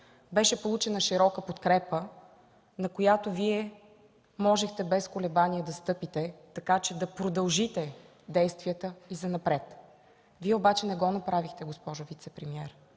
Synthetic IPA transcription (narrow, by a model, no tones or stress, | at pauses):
bɛʃɛpolˠut͡ʃɛnəʃiɾɔkəpot̪kɾɛpə | nɐkojat̪oviɛ | mɔʒɛxt̪ɛbɛskolɛbaniɛd̪ɐst̪ɤpit̪ɛt̪ɐkat͡ʃɛd̪ɐpɾod̪ɐlˠʒit̪ɛ | d̪ɛjst̪viət̪əizɐnɐpɾɛt̪ | viɛobat͡ʃɛnɛɡɔnɐpɾavixt̪ɛɡospɔʒʊvit̪sɛpɾɛmiɛɾ